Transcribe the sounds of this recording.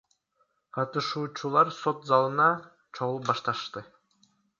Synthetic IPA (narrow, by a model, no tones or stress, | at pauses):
qʰɑt̪ɯʃuːt͡ʃulˠɑɾso̞t̪zɑlˠɯnɑ | t͡ʃʰoʁulˠup̚bɑʃt̪ɑʃt̪ɯ